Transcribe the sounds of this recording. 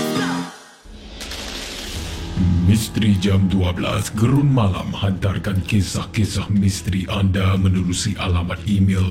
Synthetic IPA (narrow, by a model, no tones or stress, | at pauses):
mĩst̪ɾid͡ʒamduabəla̰sɡəɾunmala̰mhant̪arkankesahkesahmĩst̪ɾiʔandamə̃nuɾusiʔalamat̪̚imil